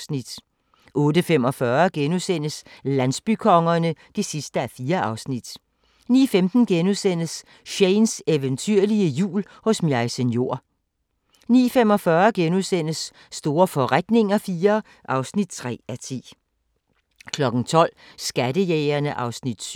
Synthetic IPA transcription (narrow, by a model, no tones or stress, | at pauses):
snid̥ | ʔɔ̽ːdəfemɒ̽fɶɐɡ̥enusen̰əslæn̰sb̥ykʰɒ̽ŋɐnəd̥e̝sisd̥əæfiːɐʔɑ̈ʊsnid̥ | nḭːfemd̥n̩ɡ̥enusen̰əs | ɕeɪnseʋənt͡sʰyɐ̰liəjṵːl | hɔ̽smjɑ̈ɪsənjo̝ɐ̰ | nḭːfem̰ɒ̽fɶɐɡ̥enusen̰əsː | d̥o̝ːɐfɒ̽ʁad̥ne̝ŋɐfiːɐ | ʔɑ̈ʊsnid̥̚t͡sʰʁɛ̰ːæt͡sʰḭː | kʰlɒ̽ɡ̥n̩t͡sʰɒ̽l̰sɡ̥æd̥əjeːɐnəʔɑ̈ʊsnid̥